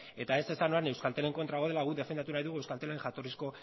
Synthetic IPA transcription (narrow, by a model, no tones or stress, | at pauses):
e̞t̪ae̞se̞sano̞ane̞wskalt̪e̞le̞ŋko̞nt̪ɾaɣo̞ð̞e̞laɣ̞uðe̞fe̞nd̪at̪̬unajðuɣuewskalt̪eleeŋxat̪o̞risko̞